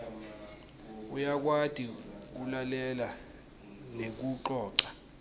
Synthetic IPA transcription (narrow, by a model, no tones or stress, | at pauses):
ujak̬wad̥ʱik̬ulalɛla | nek̬uǃɔːǁḁ